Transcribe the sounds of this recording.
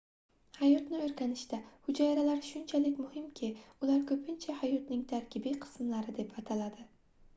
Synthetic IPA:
hajɒt̪nɪɵɾkʲanɪʃt̪ahʊd͡ʒajɾalaɾʃʊnt͡ʃʰalɪkʲmʊhɪmkʲʰɪʊlaɾkʰɵpʰɪnt͡ʃʰahajɒt̪nɪŋt̪ʰaɾkʲʰɪbiqʰɨ̥smlaɾɪd̪e̞pʰat̪ʰalad̪ɪ

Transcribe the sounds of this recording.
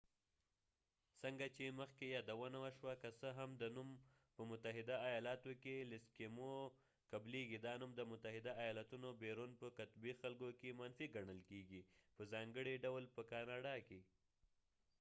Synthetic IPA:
səŋɡat͡ʃeməxkejɑd̪awənawaʃwakasəɦamd̪ənum | pəmʊt̪aɦɪd̪aːjɑlɑt̪okelɪskemo | kableɡid̪ɑnumd̪əmʊt̪aɦɪd̪aːjɑlat̪unobeɾunpəkat̪bixalɡokemanfiɡaɳəlkeɡipəzɑŋɡəɽiɖawlpəkɑnɑɖɑke

